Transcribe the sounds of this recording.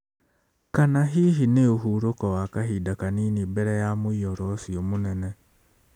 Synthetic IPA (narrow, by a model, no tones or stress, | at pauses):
kanaɦiɦineoɦuɾokɔwakaɦidakaniːnibɛɾɛjamoijɔɾɔsiomonɛne